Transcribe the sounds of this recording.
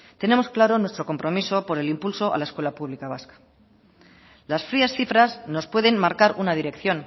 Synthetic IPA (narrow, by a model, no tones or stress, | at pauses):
t̪e̞ne̞mo̞sklaɾo̞nwe̞st̪ɾo̞ko̞mpɾo̞miso̞po̞ɾe̞limpulso̞ʔa̰lae̞skwe̞lapuβ̞likaβ̞askḁ | lasfɾiasθifɾazno̞spwe̞ð̞e̞nmaɾkaɾunað̞iɾe̞kθjo̞n